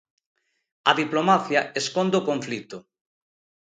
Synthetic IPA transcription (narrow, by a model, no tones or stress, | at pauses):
ɐðiplomaθjɐeskond̪okoɱflit̪ʊ